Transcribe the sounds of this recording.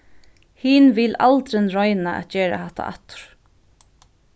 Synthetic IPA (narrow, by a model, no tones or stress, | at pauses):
hiːnvɪlalt̪ɾɪnɾɔjnaʔɛ̰t̪d͡ʒɛːɾa̰haht̪ʰːa̰a̰t̪ʊ̥ɾ̥